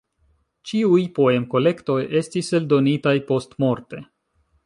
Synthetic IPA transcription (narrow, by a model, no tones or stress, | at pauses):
t͡ʃiujpo̞e̞mko̞le̞kto̞je̞stise̞ldo̞nitajpo̞stmo̞ɾte̞